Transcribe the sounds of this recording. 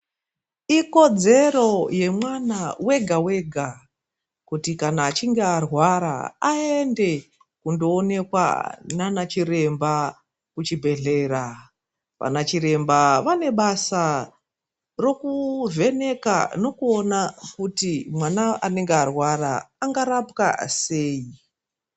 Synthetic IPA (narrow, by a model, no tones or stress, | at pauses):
iko̞d͡ze̞ro̞je̞mwanawe̞ɡʱawe̞ːɡʱa | kutikanaːt͡ʃiŋɡearwaɾa̰aende̞ | kundo̞ːne̞kwa̰nanat͡ʃiɾe̞mba | kut͡ʃibʱe̞ɮe̞ra | ʋa̰nat͡ʃiɾe̞mbaʋane̞ɓasa | ro̞kuvʱe̞ne̞ka̰no̞kuo̞nakutimwanaane̞ŋɡearwaɾaːŋɡaɾapka̰se̞ːi